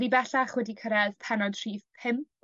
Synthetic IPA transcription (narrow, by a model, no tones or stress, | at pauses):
ɾibɛɬaχwɛdikʰəɾɛðpʰɛnɔdtʰriːθʰɪmp